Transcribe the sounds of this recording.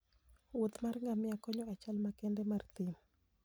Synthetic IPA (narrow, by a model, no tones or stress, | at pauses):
wot̪marŋɡamɪakɔɲɔat͡ʃalmakɛndɛmart̪ɪmɔ